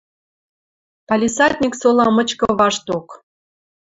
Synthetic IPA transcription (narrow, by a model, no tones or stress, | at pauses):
pɑlʲisɑt̪ʲnʲiksolɑmə̆t͡ɕkɤ̆βɑʃt̪ok